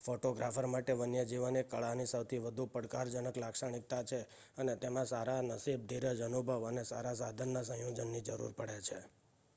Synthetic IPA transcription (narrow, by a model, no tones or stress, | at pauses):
foʈoɡɾafəɾmaʈeʋənjəd͡ʒiʋənekəɭanisəwt̪ʰiʋəd̪ʱupəɽkaɾd͡ʒənəklakʃaɽ̃ik̚t̪at͡ʃʰe | ənet̪emãsaɾanəsib̚d̪ʱiɾəd͡ʒənubʱəʋənesaɾas̬ad̪ʱənːasə̃ɦjod͡ʒənːid͡ʒəɾṵɾpəɽet͡ʃʰe